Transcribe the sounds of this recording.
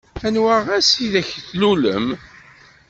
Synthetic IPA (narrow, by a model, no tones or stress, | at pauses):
ænwaʁæsiðæçθlulə̰m